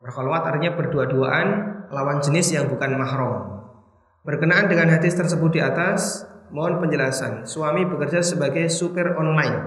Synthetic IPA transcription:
bərhɔlwat̪art̪iɲabərduaduaʔanlawand͡ʒənɪsjaŋbukanmaɦɾɔm | b̥ərkənaʔandəŋanɦad̪ɪst̪ərsəbʊt̪̚diat̪asmɔɔnpəɲd͡ʒəlasa̰nsuamibəkərd͡ʒasəbaɡajsupərɔnlaɪn

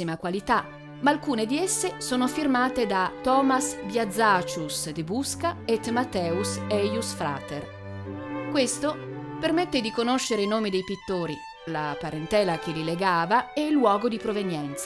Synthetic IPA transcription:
imakwalit̪a | maːlkuːned̪iesːesoːnofirmaːt̪ed̪at̪ɔːmasbjad̪zːat͡ʃusd̪ebuskaet̪mat̪ːɛːusɛjusfɾa̰ːt̪er | kwest̪opermet̪ːed̪ikonoʃːeɾeinoːmid̪ejpit̪ːoːɾi | la̰paɾent̪ɛːlak̟elileɡaːvaɛilːwɔːɡod̪ipɾovenjɛnt̪sa

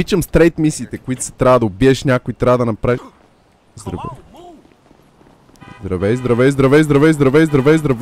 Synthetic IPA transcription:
it͡ʃəmst̪ɾɛjt̪misiːt̪ɛkʊit̪ʊ̥sɛ̥t̪ɾʲavəd̪ɐʊbiɛʃnʲakʊit̪ɾʲavɐd̪ɐnɐpɾai | zd̪ɾɐ̰vɛ̰ | zd̪ɾɐvɛjzd̪ɾɐvɛjzd̪ɾɐvɛjzd̪ɾɐvɛjzd̪ɾɐvɛjzd̪ɾɐvɛjzd̪ɾɐv

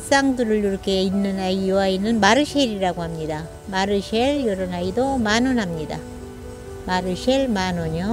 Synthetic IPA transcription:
s͈aŋdɯɾɯɭuɾkʰeinːɯnaiwainːɯnmaɾɯɕʰeɾiɾaɡohamɲida | maɾɯɕʰeɭjʌɾʌnaidomanɯnɦamɲida | maɾɯɕʰeɭmanoɲo

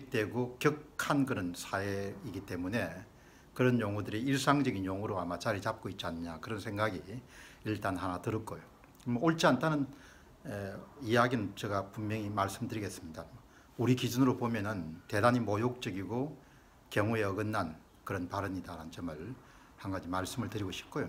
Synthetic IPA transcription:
ik̚t͈e̞ɡokjʌkkʰankɯɾʌnsʰaeiɡit͈e̞mune̞ | kɯɾʌnjoŋudɯɾiiɭs͈aŋd͡ʑʌɡinjoŋuɾoamat͡ɕaɾit͡ɕap̚k͈oit̚t͡ɕianɯɲakɯɾʌnsʰe̞ŋɡaɡi | iɭt͈anɦanatɯɾɯk͈ojo | mooɭt͡ɕʰiantʰanɯn | eijaɡinɯnt͡ɕʌɡapummjʌŋimaɭs͈ɯmdɯɾiɡe̞s͈ɯmɲida | uɾikid͡ʑunɾopomjʌnɯnte̞daɲimojok̚t͡ɕ͈ʌɡiɡo | kjʌŋue̞ʌɡɯnːan | kɯɾʌnpaɾɯmidaɾannt͡ɕʌmɯɭ | haŋɡad͡ʑimaɭs͈ɯmɯɭtɯɾiɡoɕʰi̥p̚k͈ojo

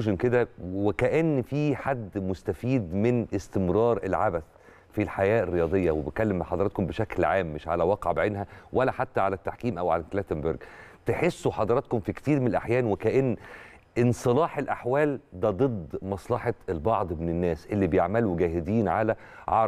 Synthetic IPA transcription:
ʒenked̪æwekæʔenːfiːħad̪ːmost̪æfiːd̪mɪnʔest̪emɾˤɑːɾˤʔḛlʕabæθ | filħajæːʔerːejɑːd̪ˤejːɑwebet̪̚kælːemħɑd̪ˤɑɾɑt̪kombeʃæklʕaːmːɪʃʕa̰læwɑqʕbʕenɦæwʔælːæħat̪ːæʕalæt̪ːaħkiːmʔæwʕa̰læklæt̪embeɾɡt̪eħesːuħɑd̪ˤɑɾˤɑt̪̚komfikt̪iːɾmenelʔa̰ħjæːnwekæʔenː | ʔensˤɨlɑːħelʔaħwæːld̪æd̪ˤɨd̪ˤmɑsˤlɑħɑelbɑʕd̪ˤmenenːæːsʔelːibejeʕmæluweɡæːɦed̪iːnʕalæ | ʕɑ̰

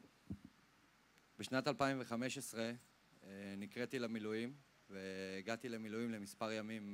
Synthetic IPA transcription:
beʃnatalpaimve̞χameʃesʁe | nikʁetilamilujim | veːɡat̪ile̞milujimle̞mispaʁjamim

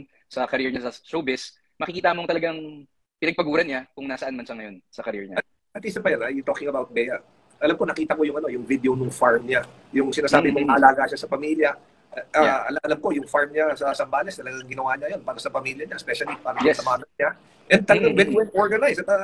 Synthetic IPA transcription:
sɐkɐɾɛɹɲasɐʃoːbɛs | mɐkɪkiːt̪ɐmoŋt̪ɐlɐɡaŋ | pɪnɐɡ̚pɐɡuːɾɐnɲakʊŋnasɐʔanmɐnʃaŋɐjo̞nsɐkɐɾɛɹɲa̰ɐ | ʔɐt̪ʔisɐpɐjanɐjt̪oːkɪŋɐbawt̪̚bɛjɐ | ʔɐlamko̞nɐkiːt̪ɐko̞jʊŋɐno̞jʊŋvid̪ɛonʊŋfaɹmɲa | jʊŋsɪnaːsaːbɪmoŋɐʔɐlaːɡaʃasɐpɐmiljɐ | ʔaʔɐlʔɐlamko̞jʊŋfaɹmɲasɐsɐmbaːlɛst̪ɐlɐɡaŋɐŋɡɪnɐwaːɲɐjo̞npaːɾɐsɐpɐmiːljɐɲaspɛʃɐlipaːɾɐjɛsɐmaːmɐnɲa | ʔɛnd̪̚t̪ɐlɐɡaŋbɛt̪wɛlʔoɹɡɐnajsɐt̪ɐ

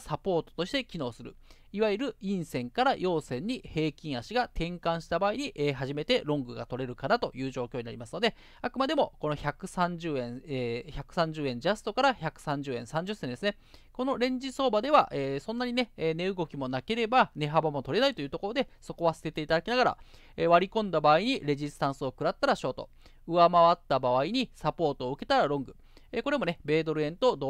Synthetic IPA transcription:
sapo̞ːt̪o̥t̪o̞ɕi̥t̪e̞kʲino̞ːsɨɾɯ̟̰ | iβaiɾɯ̟ĩɰ̃sẽ̞ŋkaɾajʔo̞ːsẽ̞ɲ̟ːihe̞ːkʲĩɰ̃aɕiɡat̪ʰẽ̞ŋkãɰ̃ɕi̥t̪abaːiɲ̟iʔeːɦaʑime̞t̪e̞ɾõ̞ŋɡɯ̟ɡat̪o̞ɾe̞ɾɯ̟kanat̪o̞jɯ̟ːʑo̞ːkʲoːina̰ɾʲimasɨ̥no̞d̪e̞ | akɯ̟mad̪e̞mo̞ko̞no̞çakɯ̟sãɲd͡ʑɨːẽ̞ɰ̃eçakɯ̟̥sãɲ̟d͡ʑɨːẽ̞ɲd͡ʑasɨ̥t̪o̞kaɾaçakɯ̟̥sãɲ̟d͡ʑɨːẽ̞ɰ̃sãɲ̟d͡ʑɨsːẽnd̪e̞sɨne̞ | ko̞no̞ɾẽ̞ɲ̟d͡ʑiso̞ːbad̪e̞βaʔeːsõ̞nːaɲ̟ine̞ːne̞ɯ̟ɡo̞kʲimo̞nake̞ɾe̞bane̞ɦabamo̞t̪o̞ɾe̞nait̪o̞jiɯ̟ːt̪o̞ko̞ɾo̞d̪e̞so̞ko̞βasɨ̥se̞t̪e̞it̪ad̪akʲinaɡaɾa̰ | eːβaɾʲikõ̞nd̪abaːiɲ̟iɾe̞ʑisɨ̥t̪ãɰ̃sɨo̞kɯ̟ɾat̪ːaɾaɕo̞ːt̪o | ɯ̟βamaβat̪ːabaβaiɲ̟isapo̞ːt̪o̞ːɯ̟ke̞t̪aɾaɾõ̞ŋɡɯ̟ | eːko̞ɾe̞mo̞ne̞be̞ːd̪o̞ɾɯ̟ẽ̞nt̪o̞d̪o

